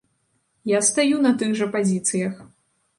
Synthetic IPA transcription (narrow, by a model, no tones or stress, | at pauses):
jast̪ajunɐt̪ɨɣʐɐpazʲit̪sɨjɐx